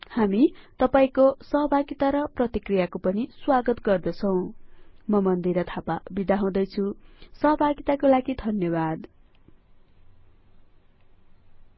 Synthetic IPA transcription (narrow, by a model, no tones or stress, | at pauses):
hamit̪ʌpaĩkosʌɦʌbʱaɡit̪aɾʌprʌt̪ikrijakopʌniswaɡʌt̪ɡʌrd̪ʌt͡sʰʌw̃mʌmʌnd̪iɾʌt̪ʰapabid̪aɦãw̃d̪ʌjt͡sʰusʌɦʌbʱaɡit̪akolaɡid̪ʱʌnjʌbad̪